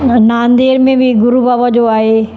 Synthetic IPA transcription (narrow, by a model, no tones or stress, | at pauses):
naːnd̪eːɾmẽbɪɡʊɾubaːbad͡ʑoaːɦeː